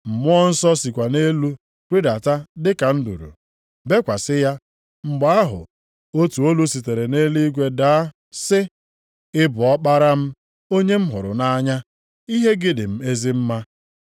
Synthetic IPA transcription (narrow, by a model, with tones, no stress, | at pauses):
m̩˨mʊ˦ɔ˦n̩˦sɔ˦si˨kʷa˨ne˦lu˦ | kʷi˦da˨ta˦dɪ˦ka˨n̩˦dṵ˨ɾṵ˨ | be˦kʷa˨sɪ˦ja˦ | ŋ͡m̩˨ɡ͡ba˨˦a˦ɦʊ̰˨ | o˦tu˨o˦lu˦si˨te˨ɾe˨ne˦li˦ɡʷe˦da˨˦ | sɪ˦ | ɪ˦bʊ˨ɔ˦k͡pa˦ɾa˦m̩˦ | o˦ɲe˦m̩˦ɦʊ˨ɾʊ̰˨na˦ɲa˦ | i˦ɦe˦ɡɪ˦dɪ˨m̩˦e˦zi˦m̩˦ma˦